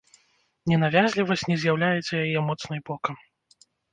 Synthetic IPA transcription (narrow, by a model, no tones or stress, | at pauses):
nʲɛnavʲazʲlʲivɐsʲtʲnʲɛzʲjawlʲajɛt͡sʲɐjajɛmɔt̪snɨjbɔkɐm